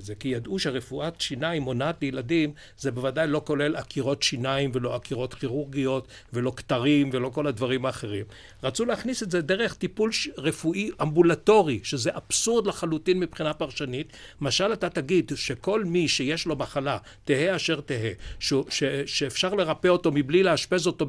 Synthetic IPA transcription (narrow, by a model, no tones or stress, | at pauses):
zekijad̪ʔuʃeʁefuʔatʃinaimo̞nat̪lejeladim | zebevadajlo̞ko̞le̞lakʰiʁo̞t̪ʃinaimvelo̞akiʁo̞tχiʁuʁɡijo̞t | ve̞lo̞ktaʁimvelo̞ko̞lad̪vaʁimaːχe̞ʁim | ʁat͡suleaχnisetzedeʁe̞χt̪ipulʁefuʔiʔambulato̞ʁiʃeze̞ʔab̥suʁd̪laχalutinmipχinapaʁʃanit̪maʃalatat̪aɡid̪ʃeko̞lmiʃejeʃlo̞maχala | t̪eheaʃe̞ʁt̪eɦeʃuʃeʃeːfʃaʁle̞ʁapeo̞to̞miblileaʃpe̞zo̞to̞